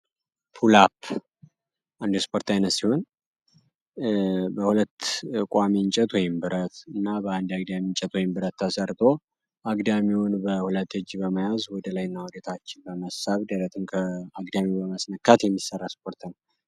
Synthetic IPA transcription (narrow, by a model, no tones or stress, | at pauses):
pʰulapʰː | and̪spʰo̞ɾt̪ʰajnət̪siho̞n | bəhulət̪ːkʷʼamiɲt͡ʃʼɛt̪wɔjɪmbɨɾət̪ɨnːabəand̪aɡd̪amiɲt͡ʃʼɛt̪wɔjɪmbɨɾət̪ːəsəɾt̪ʰʼo̞ | ʔaɡd̪amiwʊnbəhulət̪ːɨd͡ʒːibəməjazwɔd̪əlajnːawud̪et̪ʰat͡ʃːɪnbəməsaβd̪əɾət̪ʰɨmkʰəaɡd̪amibəməsnəkːat̪jɛmːisːərːaspʰo̞ɾt̪ʰnəw